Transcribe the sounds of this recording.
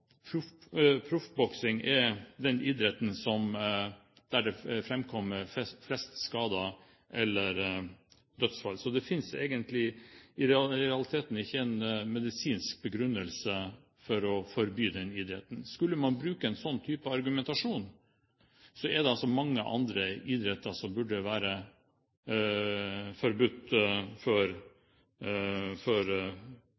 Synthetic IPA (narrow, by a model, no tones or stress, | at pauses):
pʰɾʊfpʰɾʊfbɔksɪŋɛɾd̪ɛnʔɪːd̪ɾɛt̪nsɔm | d̪̥æɖɛfɾɛmkʰɔmːəflɛst̪skɑːd̪ə | ʔɛlːəɾ | d̪œt̪sfɑlːsɔd̪ɛfɪnsḛːɡənt̪lɪɪɾɛɾɛɑlɪt̪ʰeːt̪n̩ɪçːəɛnmɛd̪ɪsiːnsk̚bəɡɾʉnːəlsə | fɔɾɔfɔɾbyːd̪ɛnid̪ɾɛt̪n̩skʉlːəmɑnbɾʉːkəɛnsɔnːt̪ʰyːpəɑɾɡʉmɛnt̪ɑʂuːn | sɔɛd̪ɛɑlsɔmɑŋːəʔɑ̰nd̪ɾəɪd̪ɾɛt̪ːəsɔmbʉɖəʋæːɾə | fɔɾbʉt̪ːfɔɾ | fɔɾ